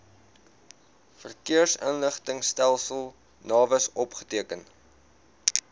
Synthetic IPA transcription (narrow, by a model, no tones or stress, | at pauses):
fərkiərsə̰nləχtəŋstælˠsəlˠ | nɑːvəsɔpχə̥tiəkən